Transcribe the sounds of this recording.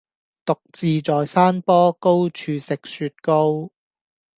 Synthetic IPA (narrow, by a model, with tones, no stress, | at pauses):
t̪ʊ˨k̚t͡siː˨˧t͡sɔː˨jsaː˥npɔː˥ko˥wt͡ʃʰyː˨˧sɪ˨k̚syː˧t̚ko˥w